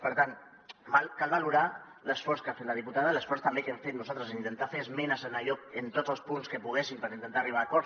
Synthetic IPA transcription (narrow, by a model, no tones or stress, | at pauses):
pəɾt̪an | balkalˠβaluɾa | ləsfɔɾskafet̪ləð̞iput̪aðələsfɔɾst̪ambekɛmfet̪̚nuzalt̪ɾəziint̪ent̪afeəzmɛnəsənaʎɔkənt̪od͡zzəlˠspunskəpuɣ̞esimpəɾint̪ənt̪ariβ̞aːkɔɾ